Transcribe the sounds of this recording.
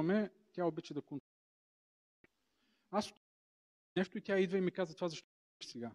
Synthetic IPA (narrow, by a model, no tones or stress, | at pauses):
mɛ | t̪ʲaobit͡ʃəd̪ɐkon | asʊ̥t̪ | nɛʃt̪oit̪ʲaid̪vɐimikazɐt̪ovazɐʃt̪ | ʃsɛɡa